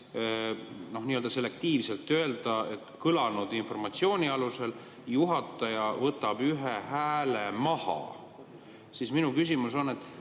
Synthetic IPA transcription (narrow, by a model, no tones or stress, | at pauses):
no̞hniːø̞ld̪ɑse̞le̞k̚t̪iːvse̞lt̪ːˑø̞e̞ld̪̥ɑe̞t̪kɤlɑnud̪̥info̞rmɑt̪sio̞ːnʲiɑluse̞l | juɦɑt̪ːˑɑjɑvɤt̪ːˑɑb̥yɦehæːlemɑhɑ̰ | siːsminukys̬imuso̞nːe̞t̪ːˑ